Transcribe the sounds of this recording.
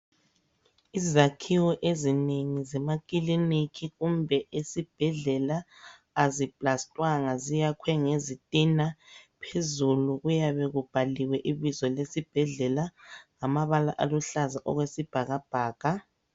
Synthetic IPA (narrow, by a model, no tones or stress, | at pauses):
izakʰiwɔʔezineŋizɛmakʼilinikʰiɣumbʱɛʔesib̥ʱɛɮɛlaː | zipʼlastʼwaŋazijakʰwɛŋezitʼinapʰezuluɣujaβɛɣub̥ʱaliwɛʔiβizɔlesib̥ʱɛɮɛlaŋamaβalaʔaluɬazaʔɔɣwesib̥ʱaɣab̥ʱaːɣ̥a